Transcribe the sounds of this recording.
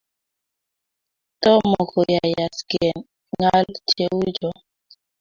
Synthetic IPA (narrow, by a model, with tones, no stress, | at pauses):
tɔ˦mɔ˨kɔ˨ja˨ja˨sɡɛ˨n | ŋa˦lt͡ʃe˦u˦d͡ʒɔ˨